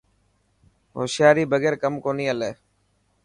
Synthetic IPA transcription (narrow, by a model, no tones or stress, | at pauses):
ɦo̰ːsɪjaːɾiːbəɡeːɾkəmkoːnĩːəleː